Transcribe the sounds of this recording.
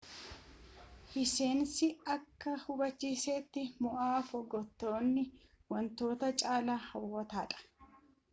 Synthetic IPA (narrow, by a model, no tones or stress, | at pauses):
hɪse̞ːnsɪɐkːɐhʊbɐt͡ʃːiːseːt̪ːɪmʊʔaːfɔɡɔt̪ːo̞ːnːɪ | wɐnt̪o̞ːt̪ɐt͡ʃʼaːlahɐwːɐt̪aːᶑɐ̥